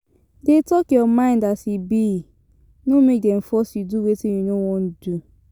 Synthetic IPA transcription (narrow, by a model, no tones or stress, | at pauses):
detɔkjɔmãɪ̃ndatibi | nomek̚dɛm̩fɔsiduwetijunowɔ̃n̩du